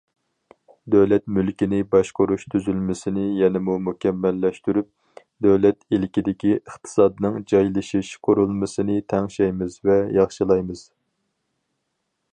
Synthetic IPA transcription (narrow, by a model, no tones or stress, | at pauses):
d̪øwlɛt̪̚mylkʲinɪbɑʃqoɾuʃt̪ʰyzylmɪsɪnɪjɛnɪmumukʲʰɛmːɛlːɛʃt̪yɾyp̚ | d̪øwlɛt̪ilkʲid̪ɪkʲiəχt̪ʰɨ̥sɑd̪ɨnɨŋd͡ʒɑjlˠɨʃiʃqʰoɾulˠmɨsɨnɨt̪ʰɛŋʃɛjmɨzvɛjɑχʃɨlˠɑjmɨz̥